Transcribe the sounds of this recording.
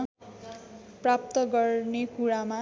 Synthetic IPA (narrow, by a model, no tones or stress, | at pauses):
prap̚t̪ʌɡʌrnekuɾama